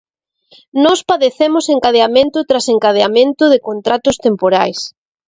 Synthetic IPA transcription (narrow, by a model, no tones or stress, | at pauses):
nɔspaðeθemʊseŋkaðeamẽnt̪ʊt̪ɾaseŋkað̞eamẽnt̪ʊðɪkont̪ɾat̪ʊst̪empoɾajs